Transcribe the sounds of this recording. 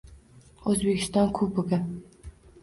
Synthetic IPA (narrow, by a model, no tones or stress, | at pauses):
ozbekʲʰɪ̥st̪ɑnkʰub̚boɡan